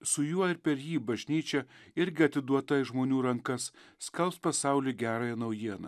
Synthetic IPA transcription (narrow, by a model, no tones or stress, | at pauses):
sʊjuɔɪɾpʲɛɾjiːbɐʒʲnʲiːt͡ʃʲɛɪɾʲɡʲɪɐt̪ʲɪd̪uɔt̪ɐɪʒmoːnʲuːɾɐŋkɐsːkɐlˠpspɐsɑˑʊlʲiːɡʲæːɾɑːjɛnɐʊjiɛnɐ̰ː